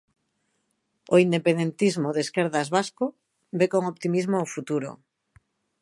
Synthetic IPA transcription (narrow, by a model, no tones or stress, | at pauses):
oind̪epẽnd̪ent̪izmoðeskeɾðazβasko | bekoŋopt̪imizmoofut̪uɾo̰